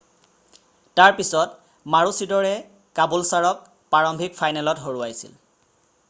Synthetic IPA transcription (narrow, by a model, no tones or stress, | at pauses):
taɹpisɔt | maɹusidɔɹɛ | kabulsaɹɔk̚ | pːaɹɔmbʱik̚fʰajnɛlɔtɦoɹuajsḭl